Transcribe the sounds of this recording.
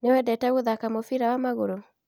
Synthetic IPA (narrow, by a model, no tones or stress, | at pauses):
newɛdɛtaɣoðakamofiɾawamaɣoɾo